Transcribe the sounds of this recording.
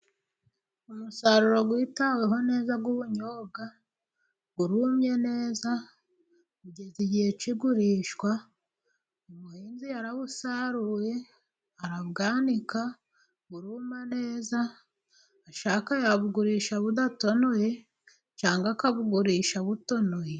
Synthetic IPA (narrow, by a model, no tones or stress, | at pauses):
umusaɾuɾo̞ɡwiːtawe̞ɦo̞ne̞ːzaɡwuβuɲoːɡa | ɡuɾuːmɲe̞ne̞ːza | kuɟeziɟihe̞t͡ʃiɡuɾiːʃkwa | umuhiːnzijaɾaβusaɾuje̞ | aɾaβɡaːnika | ɡuɾuːmane̞ːzaː | ʃaːkajaβuɡuɾiːʃaβudato̞noje | t͡ʃaːŋɡakaβuɡuɾiːʃaβuto̞noje